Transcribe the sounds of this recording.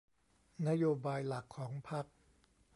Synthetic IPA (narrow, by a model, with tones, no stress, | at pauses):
na˦˥joː˧baː˧jla˨˩kʰːɔː˩˦ŋpʰa˦˥k̚